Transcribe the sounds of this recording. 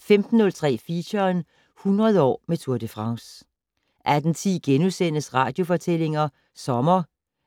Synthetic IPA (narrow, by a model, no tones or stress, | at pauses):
femd̥n̩ːɔ̽lt͡sʰʁɛ̰ːfiɕɐn | hunʁɐð̞̩ˠɒ̰ːmet͡sʰuɐ̰d̥əfʁɑ̈ŋs | ʔæd̥n̩t͡sʰḭːɡ̥enusen̰əsʁɑ̈ːd̥jo̝fɒ̽t͡sʰel̰e̝ŋɐ | sɒ̽mɐ